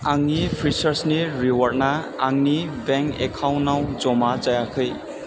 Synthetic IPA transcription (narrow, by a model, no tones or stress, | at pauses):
aŋnipʰɾisʌɾsniɾiwʌɾnaː | ŋnibɛŋḛkʰawnawd͡zomad͡zʌjakʰɯj